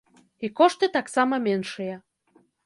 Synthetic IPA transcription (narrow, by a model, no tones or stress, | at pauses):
ikoʃt̪et̪ɑksɑmɑmenʃəjɑ